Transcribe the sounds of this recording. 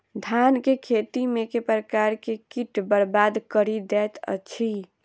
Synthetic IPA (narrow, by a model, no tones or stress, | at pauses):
d̪ʱjankekʰet̪imekepɾəkaɾkekiʈbəɾbad̪kəɾid̪ɛːt̪ə̰t͡ʃʰi